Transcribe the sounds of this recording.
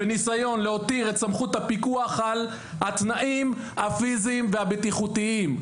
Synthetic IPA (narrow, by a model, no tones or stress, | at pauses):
enisajo̞nleo̞t̪iʁe̞tsamχut̪hapikuaχal | hat̪naʔim | afizimveabet̪iχut̪iim